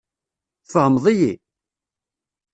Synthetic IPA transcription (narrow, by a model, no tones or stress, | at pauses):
fəhəmðˤiji